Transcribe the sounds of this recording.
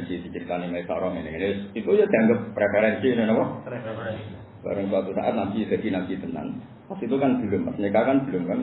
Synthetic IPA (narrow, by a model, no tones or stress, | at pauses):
sisət͡ʃəɾit̪animaisɔ̰ɾɔhmeneŋneit̪ujəd̪̥a̤ŋɡəpːɾefɛɾɛnsinenɔpɔh | b̥a̰ɾəŋswat̪usa̰ʔa̰t̪namt̪id̪̥a̤d̥̪i̤namt̪it̪əna̰n | pasit̪ukanb̥ə̤lʊmpasnikakanb̥ə̤lʊmkan